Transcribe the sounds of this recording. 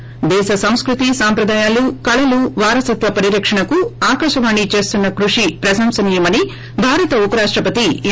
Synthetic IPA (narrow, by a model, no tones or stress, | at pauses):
d̪ɛːʃɐsɐmskɾut̪isaːmpɾɐd̪aːjaːlukɐɭɐluʋaːɾɐsɐt̪ʋɐpɐɾiɾɐkʂɐɳɐkuaːkaːʂɐʋaːɳːit͡ʃe̞ːst̪unːɐkɾuʂipɾɐsɐmsɐnijɐmɐni | bʱaːɾɐt̪ɐupɐɾaːʂʈɾɐpɐt̪i